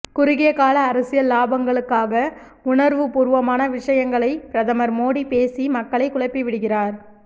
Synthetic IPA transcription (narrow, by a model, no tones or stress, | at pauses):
kʊɾɪɣejɐkaːlɐːɾɐsɪjɐlaːbɐŋɡɐɭɯkːaːɣɐ | ʊɳɐɾʋɯpʊɾɯʋɐmaːnɐʋɪʂɐjɐŋɡɐɭɐɪpɪɾɐðɐmɐɾmoːɽipeːsimɐkːɐɭɐɪkːʊɭɐɪpːiʋɪɽɯɣɪraːɾ